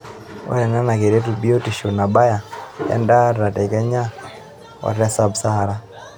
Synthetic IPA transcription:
wa̰˦jɛ˨na˦na˨ke˨ɾe˦tu˨bi˦o˦ti˨ʃu˨na˨ba˦ja˨ɛ̰˦nda˦ɾa˨tɛ˨kɛ˦ɲa˦ | wa̰˨ɾɛ˦sa˦bsa˦ha˦ɾa˦

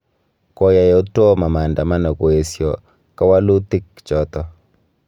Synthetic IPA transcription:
kɔ˨ja˨jɔ˨o˦tɔ˦ma˨ma˨nda˨ma˦na˨ko˨e˨sjɔ˨ | ka˦wa˦lu˦t̪ɪ˦k | t͡ʃɔ˦t̪ɔ˦

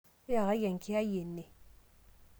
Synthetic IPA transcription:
ja˨ɣa˨˦ja˨ŋ˨kʰi˦a˦je˨nːe˨

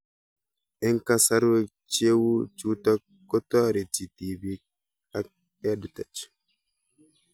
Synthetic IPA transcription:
ʔɛ˦ŋka˦sa˦ɾwe˦ | t͡ʃe˦wu˦t͡ʃu˦ta˦ | kːɔ˦tɔ˦ɾɛ˨t͡ʃi˨ti˨bi˦ | a˦k | a˦du˨ta˨t͡ʃ

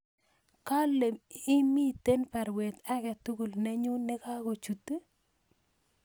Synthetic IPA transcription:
ka˦le˨mɪ˦mi˦te˦npa˨ɾwe˨t̪a˦kɛ˨tu˦ɡu˨lnɛ˦ɲʊ˦nɪ˦ka˦ɡo˨t͡ʃu˨tːe˦

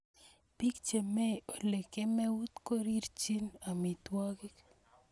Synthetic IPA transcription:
pi˦kt͡ʃe˨me˦o˨le˨ke˦me˦wu˦t̪ko˦ɾiɾt͡ʃi˦nami˨t̪waki˦k

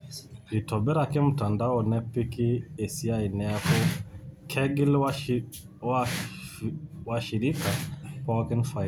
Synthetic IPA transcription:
li˨tɔ˨bɛ˦ɾa˨kɪ˦m̩˨ta˨nda˦wɔ˨nɛ˦pi˦ki˦e˨si˦a˦i˨nɛ˦a˦kɔ˦kʰɛ˦ɡɪ˦lw | wa | wa˨ʃi˨ɾi˦ka˨pɔ˦kɛ˦nfa˨

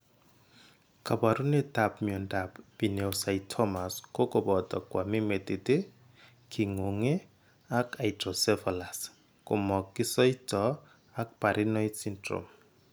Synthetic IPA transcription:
kʰa˨ba˨ɾu˦ne˦ta˨p̚miɔ˨nda˨pbi˨ne˨ʊ˨sa˨itʰɔ˦ma˨sko˦kʼo˨bɔ˨tɔ˨kwa˨mi˦me˨te˨te˦ | kʰi˨ŋo˨ŋe˦ | a˦ka˨itrɔ˨sɛ˦vɔ˨la˨s | kʊ˨mɔ˨ki˦sɔ˦i˦tɔ˨ | a˦k̚pa˨ɾʔi˦nɔ˦jsi˦ntro̰˨m

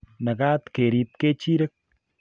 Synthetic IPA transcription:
na˨kaː˦t̪ke˨ɾi˨p̚ke˦t͡ʃi˦ɾe˦k̚

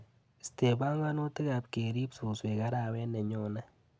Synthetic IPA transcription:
ste˨ba˦ŋɡa˦no˦tɪ˦ka˨p̚ke˨ɾi˦psu˨swe˨ka˦ɾa˨wɛ˦nɛ˨ɲɔ˦na˦

